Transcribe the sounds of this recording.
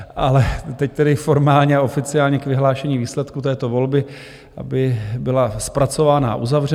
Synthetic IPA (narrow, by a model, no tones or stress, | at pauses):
ʔalɛt̪ɛc̚t̪ɛdɪfo̞ɾmaːlɲɛao̞fɪt͡sɪaːlɲɛkvɪɦlaːʃɛɲiːviːslɛt̪kut̪ɛːt̪o̞vo̞lbɪ | ʔa̰bɪbɪlaspɾat͡so̞vaːna̰ʔuzavrɛ